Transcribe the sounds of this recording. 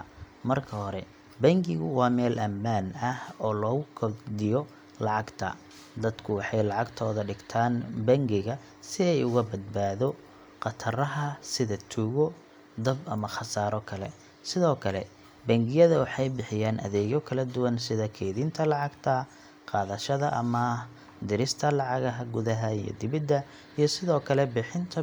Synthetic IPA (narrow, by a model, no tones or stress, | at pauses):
mɐrkʰɐhɔɾɛ | bɐŋɡɪɣʊwɑːmɛːlʔɐmːaːnɐhɔːlɔːɣʊkʰɐd̪ɪjɔ | lɑʕɑɡt̪ʰɐ̰ | d̪ɐd̪kʰʊwɑħɑjlɑʕɑɡt̪ʰɔːðɐɖɪɡt̪ʰaːnbɐŋɡɪɣɐ | sɪɛjʊɣɐbɐd̪̚baːðɔ | qɑt̪ʰɐrɐɦɐsɪðɐt̪ʰuːɣɔ | d̪ɐbɐmɐχɑsaːɾɔkʰɐlɛ̰ | sɪðɔːkʰɐlɛ | bɐŋɡɪjɐðɐwɑħɑjbɪħɪjaːnʔɐ̰ðɛːɣɔkʰɐlɐd̪ʊwɐnsɪðɐkʰɛːðint̪ʰɐlɑʕɑɡt̪ʰɐ | qɑːðɐʃɐðɐʔɐ̰mɐ | d̪ɪɾɪst̪ʰɐlɑʕɑɣɐɦɐɡʊðɐɦɐijɔ̰d̪ɪβɪd̪ːɐ | ijɞsɪðɔːkʰɐlɛbɪħɪnt̪ʰɐ